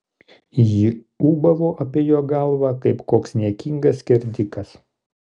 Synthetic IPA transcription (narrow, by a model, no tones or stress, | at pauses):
ji | uːbɐʋoːʔɐpʲiɛjoːɡɐˑlˠʋɑːkɐɪpkoːksnʲiɛkʲiŋɡɐskʲɛɾʲd̪ʲɪkɐs